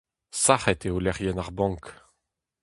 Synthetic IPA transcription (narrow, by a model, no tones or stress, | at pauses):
saχɛt̪eolɛʁjɛnaʁbɑ̃ŋk